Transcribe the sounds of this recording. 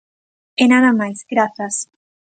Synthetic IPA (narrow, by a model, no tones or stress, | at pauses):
enaðamajzɡɾaθas